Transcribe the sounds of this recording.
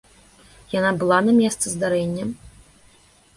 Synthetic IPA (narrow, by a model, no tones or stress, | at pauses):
janabɨlˠanɐmʲɛst̪sɨzd̪aɾɛnʲːɐ